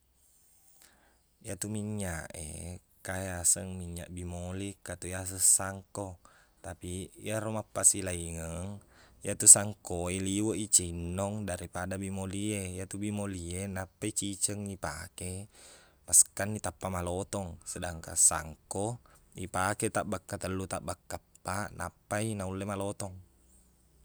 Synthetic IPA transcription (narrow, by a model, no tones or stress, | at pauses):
jat̪umiɲaʔḛ | kajasəŋmiɲːa̰ʔbimolikat̪ujas̬əsaŋkot̪apij̰aɾomapːasilaiŋəŋjat̪usaŋkoeliwəʔit͡ʃinːɔŋdaɾipadabimoliejat̪ubimolienapːait͡ʃit͡ʃəŋipa̰ke | maskanːit̪apːamalot̪ɔŋsədaŋka̰sa̰ŋkoipaket̪aʔbakːat̪əlːut̪aʔbakːapːanʔa̰pːainaulːemalot̪ɔŋ